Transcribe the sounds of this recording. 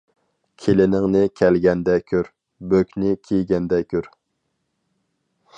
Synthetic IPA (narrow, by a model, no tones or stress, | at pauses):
kʲʰelɪnɪŋnɪkʲʰɛlɡʲɛnd̪ɛkʲʰøɾ | bøkʲnɪkʲʰijɡʲɛnd̪ɛkʲʰøɾ